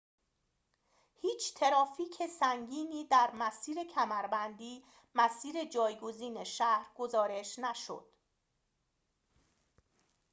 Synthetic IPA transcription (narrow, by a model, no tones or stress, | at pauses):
hiːt͡ʃʰt̪ʰe̞ɾɒːfiːcʰe̞sæŋɟiːniːd̪æɾmæsiːɾe̞cʰæmæɾbænd̪iː | mæsiːɾe̞d͡ʒɒːjɡoziːne̞ʃæhɾɡo̞zɒːɾe̞ʃnæʃo̰d̪̥